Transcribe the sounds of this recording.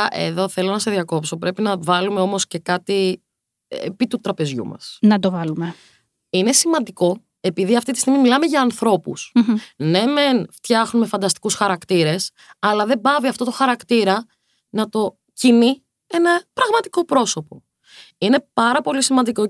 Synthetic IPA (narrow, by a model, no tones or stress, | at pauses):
ʔḛðo̞θe̞lo̞nɐse̞ðʝɐko̞pso̞pɾe̞pinɐvɐlumeo̞mo̞sce̞kɐt̪i | pit̪ut̪ɾɐpe̞zʝṵmɐ̰snɐt̪ovɐlume | ine̞simɐnd̪iko̞ | e̞piðiɐft̪it̪ist̪iɣmimilɐme̞ʝɐːnθɾo̞pṵsne̞menft̪çɐxnume̞fɐnd̪ɐst̪i̥kusxɐɾɐkt̪iɾe̞s | ɐlɐðe̞bɐviɐft̪o̞t̪o̞xɐɾɐkt̪iɾɐ | nɐt̪o̞ | cini | e̞nɐpɾɐɣmɐt̪i̥ko̞pɾo̞so̞po̞ | ine̞pɐɾɐpo̞lisimɐnd̪iko̞